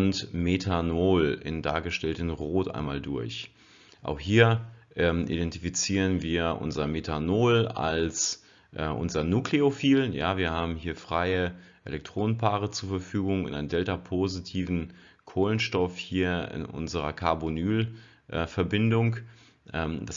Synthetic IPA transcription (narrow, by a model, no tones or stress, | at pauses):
ntmetʰanoːlɪ̰nda̰ːɐɡəʃtɛltənʁoːtʔa̰ɪnmaːldʊɐç | ʔa̰ʊχhiːɐʔɛmʔḭdɛntifit͡siːʁənviːɐʔʊ̰nzɐmetʰanoːla̰ls | ʔɛːʔʊ̰nzɐnuːkleofiːlja̰ːviːɐhaːbm̩ɦiːɐfʁ̥aɪəʔelɛk̚tʁ̥oːnənpʰaːʁət͡suːɐfɛɐfyːɡʊŋɪ̰nʔaɪnəndɛltapʰozitʰiːvn̩ | kʰoːlənʃtɔfhiːɐɪ̰nʔʊ̰nzəʁɐkʰaɐbonyːl | ʔɛːfɛɐbɪndʊŋ | ʔɛːmd̥as